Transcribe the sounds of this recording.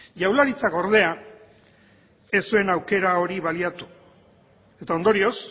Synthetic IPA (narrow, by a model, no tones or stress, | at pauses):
ʝawlaɾit͡sako̞ɾð̞e̞a | e̞sue̞nawke̞ɾao̞ɾiβaliat̪u̥ | e̞t̪ao̞nd̪o̞ɾio̞s